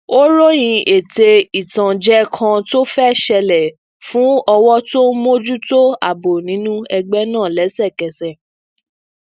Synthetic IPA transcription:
o˦ɾo˦j̃ĩ˧ʔe˨te˧i˨tã˨d͡ʒɛ˦kʰã˧to˦fɛ˦˨ʃɛ˧lɛ˨ | fũ˨˦ɔ˧wɔ˦to˦mo˦d͡ʒu˦to˦a˨bo˨nĩ˨˦nũ˦ɛ˧ɡ͡bɛ˦nãː˦˨lɛ˨˦sɛ˦˨kɛ˨sɛ˨

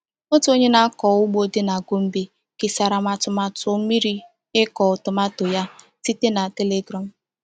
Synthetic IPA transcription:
o˦tʊ˦o˦ɲe˦na˦kɔ˨ʊ˦ɡ͡bo˦de˦na˨ɡʊ˦m̩˦bi˦ | kɪ˨sa˨ɾa˨ma˨tʊ˨ma˨tʊ˨˦mi˦ɾi˦ | ɪ˦kɔ˨ʊ˨tʊ˨ma˦to˨ja˦ | ti˦te˦na˨te˦le˦ɡɾɔ˨m̩˨

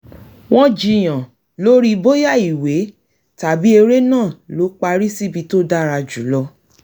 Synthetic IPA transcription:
w̃ɔ̃˦d͡ʒi˧j̃ã˨ | lo˦ɾi˧bo˦ja˦˨i˨we˨˦ | ta˨bi˦e˧ɾe˦nãː˦˨lo˨˦k͡pa˧ɾi˦si˦˨bi˧to˦da˦ɾa˧d͡ʒu˨˦lɔ˧

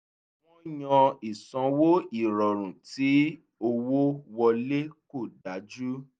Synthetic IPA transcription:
w̃ɔ̃˦j̃ɔ̃˧i˨sɔ̃˨˧wo˦i˦˨ɾɔ˨ɾ̃ũ˨ti˨˦ | o˧wo˦wɔ˧le˦ko˦˨da˨˦d͡ʒu˦

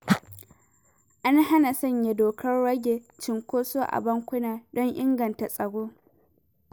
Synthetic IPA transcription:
ʔa˦nɦa˦na˨sɐ˦ɲja˨doː˨kʰɐ˦rːɐ˦ɡʲeː˨t͡ʃɪ˨ŋkʷoː˦soː˦ʔa̰˨bɐ˦ŋkʷʊ˦naː˨dɔ˦ɲʔɪ˦ŋɡɐ˨nta˨sʼɐ˨ɡoː˦

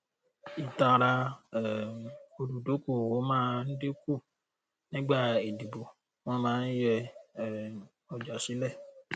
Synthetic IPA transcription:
i˨ta˨ɾa˧˨ | o˨du˨do˨˦ko˨wo˨˦mãː˦n̩˦de˦ku˦˨ | nĩ˦ɡ͡ba˦˨e˨di˨bo˨ | wɔ̃˦mãː˨˦n̩˦jɛ˧˨ | ɔ˨d͡ʒa˨si˨˦lɛ˦˨

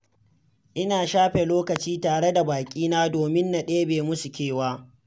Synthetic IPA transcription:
ʔɪ˦naː˨ʃaː˦ɸe˨loː˦kɐ˨t͡ʃiː˦taː˨ɽe˦da˨baː˨kʲʼiː˦naː˦doː˨mɪ˦nːa˨ɗeː˦beː˨mʊ˦su˨kʲeː˦˨waː˦

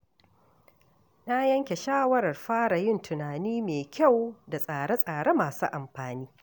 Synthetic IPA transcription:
na˦jɐ˦ŋkʲe˨ʃaː˦wɐ˦ɾɐ˨rɸaː˦ɽa˨jɪ˦˨ntʰʊ˨naː˨niː˦meː˨kʲa˦˨wda˨sʼaː˨ɽe˦sʼaː˨ɽe˦maː˨sṵː˦ʔa˨mɸaː˨niː˦

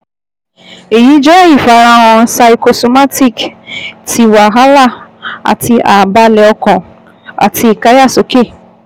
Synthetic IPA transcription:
e˨ji˨˦d͡ʒɔ˦i˦˨fa˨˦ɾa˧w̃ɔ̃˧˦sa˧i˧ko˧so˧ma˦ti˦˨kti˨˧wa˨ɦa˦la˦˨a̰˨ti˧ʔa˨ba˧lɛ˧ɔ˧kɔ̃˨ | a̰˨tʰi˧i˨ka˦ja˦˨so˨˦ke˦˨

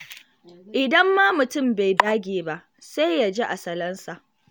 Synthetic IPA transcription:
ʔɪ˨dɐ˦mːa˦mʊ˨tʊ˦mba˨jdaː˦ɡʲeː˨ba˦ʔ | sa˦jja˨d͡ʒe˦ʔa˨sɐ˨lɐ˦nsa˨ʔ

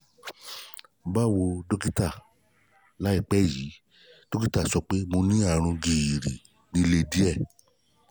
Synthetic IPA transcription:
ba˦wo˧do˦ki˦ta˦˨ | la˨˦i˦˨k͡pɛ˨˦ji˨˦ | d̥o˦ki˦ta˦˨sɔ˧k͡pe˦mo˧nĩ˦a˦˨ɾ̃ũ˧ɡi˨ji˨ɾi˨ | nĩ˨˧˦le˧di˦ɛ˦˨

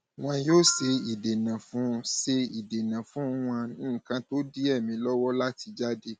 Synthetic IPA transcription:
w̃ɔ̃˧joː˦se˧i˨de˨nã˨fũ˦se˧i˨de˨nã˨fũ˦w̃ã˧nĩː˦˨kã˧to˦di˦ɛ˦˨mĩ˧lɔ˦wɔ˦la˦ti˧d͡ʒa˦de˧

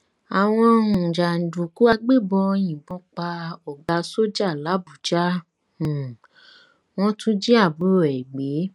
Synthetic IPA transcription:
a˨w̃ɔ̃˧ũ˨d͡ʒa˨n̩˨du˨ku˨˦a˧ɡ͡be˦˨bɔ˧j̃ĩ˨bɔ̃˧k͡pa˧ɔ˨ɡ͡ba˧so˦d͡ʒa˦˨la˨˦bu˨d͡ʒã˦˨ | w̃ɔ̃˦tũ˦d͡ʒi˦a˦˨bu˨˦ɾo˨ɛ˨ɡ͡be˨˦

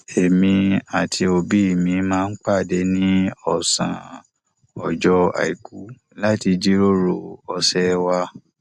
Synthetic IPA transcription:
e˨mĩ˧a˨tʰi˧o˧bi˦i˦˨mĩ˨˧mãː˦˧n̩˦k͡pa˦˨de˨˧˦nĩ˦ɔ˦˨sã̰˨ | ɔ˨d͡ʒɔ˧a̰˨i˨ku˨˦ | la˦ti˧d͡ʒi˦ɾo˦ɾo˨ɔ˧sɛ˦wa˧

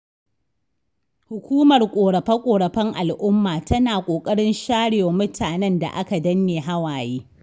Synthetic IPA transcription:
hʊ˨kʷuː˦mɐ˨rkʷʼoː˨ɽɐ˨ɸɐ˦kʷʼoː˨ɽɐ˨ɸɐ˦ŋʔa̰˨lʔʊ˦mːaː˨tɐ˦naː˨kʷʼoː˨kʼɐ˦ɽɪ˦nʃaː˦ɽɪ˨wa˨mʊ˦tʰaː˨nɛ˦nda̰˨ʔa˦ka˨dɐ˦nːeː˨ɦa˦waː˨jiː˦

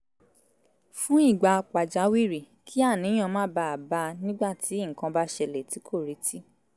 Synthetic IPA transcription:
fũ˦i˦˨ɡ͡ba˧k͡pa˨d͡ʒa˨˦wi˦˨ɾi˨ | kʰi˦a˦˨nĩ˨˦ã˧mãː˦ba˧a˨ba˧˦nĩ˦ɡ͡ba˦˨tʰi˨˦i˦˨ŋ̩˨kã˧ba˦ʃɛ˧lɛ˨ti˨˦kʰo˦˨ɾi˨˦tʰi˦

